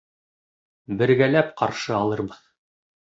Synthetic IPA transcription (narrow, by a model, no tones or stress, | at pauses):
bɘ̆ɾɡælæpqɑɾʃɤɑlˠɤ̆ɾbɤð